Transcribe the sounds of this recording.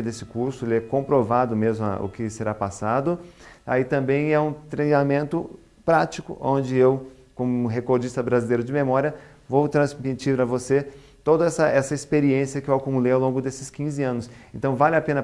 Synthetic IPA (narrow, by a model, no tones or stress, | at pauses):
d̪esɪ̥kuɾsʊelɪɛkõpɾovad̪ʊmezmʊa̰ʊ̰kɪseɾapasad̪ʊa̰it̪ɐ̃mbẽj̃ɛũt̪ɾejnamẽnt̪ʊ | pɾat͡ʃikʊ̰ʔõnd͡ʒɪew | kõmʊʊɦekoɾd͡ʒist̪ɐbɾazilejɾʊd͡ʒɪmemɔɾiɐ | vowt̪ɾɐ̃zmit͡ʃiɾpɾɐvose | t̪od̪ɐɛsɐʔɛsɐispeɾiẽsiɐkɪewakumulejawlõɡʊd̪esɪskĩzɪɐ̃nʊsẽnt̪ɐ̃w̃valɪapẽnɐ